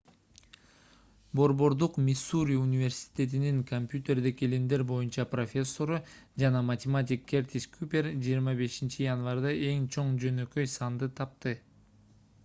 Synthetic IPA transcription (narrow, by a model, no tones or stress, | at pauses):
bo̞ɾbo̞ɾd̪uqmʲisuɾʲiunʲivʲe̞rsʲi̥t̪ʲe̞t̪iniŋkʰomʲpʲjut̪ʲe̞rd̪ikelind̪e̞ɾbo̞junt͡ʃɑpro̞fʲe̞sːo̞ɾud͡ʒɑnɑmɐt̪ʲemat̪̬ʲikʰʲːert̪ʲiskʰupʲe̞ɾd͡ʒijːɾmɑbe̞ʃint͡ʃijanvɑɾd̪ɑʔe̞ŋt͡ʃʰo̞ɴd͡ʒø̞nø̞kø̞jsɑnd̪ɯt̪ʰɑp̚t̪ɯ